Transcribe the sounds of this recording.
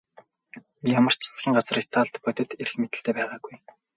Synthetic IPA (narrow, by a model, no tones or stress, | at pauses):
jamə̆r̥t͡ɕʰi̥t͡sɡʲiːŋɢat͡sə̆ret̪ʰːaːɮt̪pœt̪ʲɪ̆t̪eɾɘ̆xmet̪ɘ̆ɬt̪eːpæːʁaːɡuj